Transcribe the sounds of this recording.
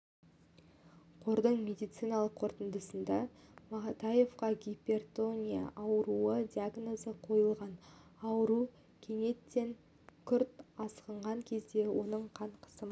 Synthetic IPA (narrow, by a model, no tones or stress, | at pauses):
qʰo̞ɾd̪əɴmʲe̞d̪ijt̪sɨjnɑlˠəqʰːo̞ɾt̪ənd̪əsənd̪ɑmɑt̪ɑje̞fqɑɡʲipʲe̞rt̪o̞nʲija̰ʔɑwəɾuəd̪ʲiaɡno̞zəqʰo̞jəlˠʁɑnɑwəɾu | kʲʰe̞ŋe̞t̪ːe̞ŋ | kʲʰʏɾt̪ɑsqəɴʁɑŋkʲʰe̞zd̪e̞wo̞nəɴqʰɑɴqʰə̥səm